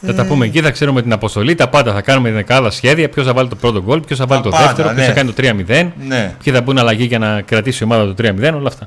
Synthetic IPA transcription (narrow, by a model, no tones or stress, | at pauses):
θɐt̪ɐpumeːciθɐkse̞ɾumet̪inɐpo̞st̪o̞lit̪ɐpɐnd̪ɐθɐkɐnumet̪inekɐðɐsçe̞ðiɐpço̞sθɐvɐlit̪o̞pɾo̞t̪o̞ɡo̞lpçosθɐvɐlit̪oðe̞ft̪e̞ɾoposθɐkɐnit̪ot̪ɾiɐmiðe̞nnpçiθɐbunɐlɐʝiʝɐnɐkɾɐt̪isio̞mɐðɐt̪o̞t̪ɾiɐmiðeno̞lɐːft̪ɐ